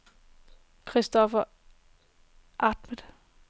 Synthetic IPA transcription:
kʰʁisd̥ɒfɐ | ʔɑd̥medˠ

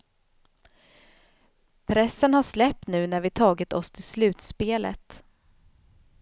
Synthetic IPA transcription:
pʰɾɛsːənhaʂlɛp̚t̪nʉ̟ːnæɾvɪt̪ʰɑːɡɪt̪ɔst̪ʰɪlslʉ̟ːt̪speːlə̰t̪

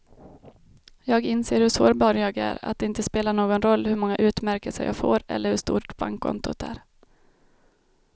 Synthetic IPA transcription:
jɑːɡɪnseːɾhɵʂoːɾbɑːɾjɑːɡæ̰ːɾa̰t̪̚d̪ɛɪnt̪əspeːlaɳoːɡɔnɾɔlːhɵmɔŋːaʔʉ̟ːt̪mæɾkəsə̰jɑ̰ːɡfo̰ːɾɛ̰lːəɾhɵʂt̪ṵːʈb̥a̰ŋkʰːɔ̰nt̪ʊ̰t̪ʰæ̰ːɾ

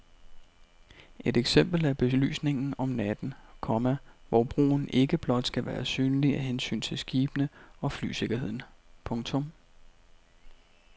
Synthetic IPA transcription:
ʔe̝d̥eɡ̥sem̰b̥l̩æb̥e̝ly̰ːsne̝ŋn̩ɒ̽mnæd̥n̩kʰɒ̽mæʋɒb̥ʁṵːn̩e̝ɡ̥əb̥lɒ̽d̥sɡ̥æʋæːɐsyːnliæɦensy̰ːnt͡sʰe̝lsɡ̥iːb̥ənəɒ̽fly̰ːse̝ɡ̥ɐɦe̝ð̰ˠn̩pʰɔ̽ŋt͡sʰɔ̽m

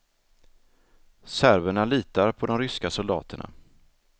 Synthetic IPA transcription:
sæɾvəɳaliːt̪aɾpʰɔd̪ɔmɾʏskasɔld̪ɑ̰ːt̪ʰəɳa̰

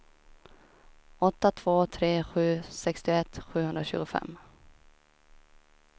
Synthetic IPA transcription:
ɔt̪ːat̪ʰv̥oːt̪ʰɾeːɧʉ̟ːsɛkst̪ɪɛt̪ːɧʉ̟ːhɵnɾaɕʉ̟ːɡʊfɛ̰mː

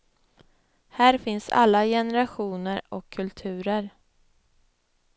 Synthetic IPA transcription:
hæːɾfɪnsa̰lːajɛnɛɾaɧuːnəɾɔkʰːɵlt̪ʰʉ̟ːɾəɾ

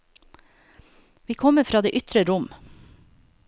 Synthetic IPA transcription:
ʋiːkʰɔmːəfɾɑːd̪ḛːʔʏt̪ɾəɾʊm

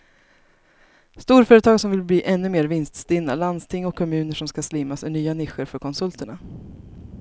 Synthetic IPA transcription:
st̪uːɾfœːɾət̪ʰɑːɡsɔmvɪlbliːʔɛnːɵmeːɾvɪnst̪st̪ɪnːa̰land̪st̪ʰɪŋːɔkʰːɔmʉ̟ːnəʂɔmskaslɪmːasmɛɳyːanɪɧəɾfœɾkʰɔnsɵlt̪ʰəɳa

